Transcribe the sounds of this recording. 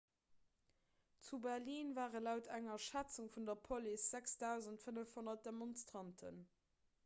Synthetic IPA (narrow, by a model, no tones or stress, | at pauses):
t͡subɛʁliːnvaːʁəlaʊtʰæŋɐʃæt͡suŋfundɐpʰolisz̥æksd̥aʊzəntfənəfhonɐt̚d̥emonstʁɑntʰə̰n